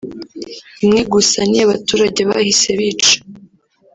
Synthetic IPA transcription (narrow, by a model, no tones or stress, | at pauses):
imŋeɡusaniaβatuːɾaɟe̞βa̰hise̞βiːt͡ʃe̥